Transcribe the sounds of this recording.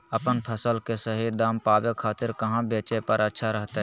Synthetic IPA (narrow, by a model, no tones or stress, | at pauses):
əpənpʰəsəlkesəɦid̪aːmpaːbekʰaːt̪ɪɾkɐɦãbeːt͡ʃepəɾətːʃʰaɾəɦt̪eɦ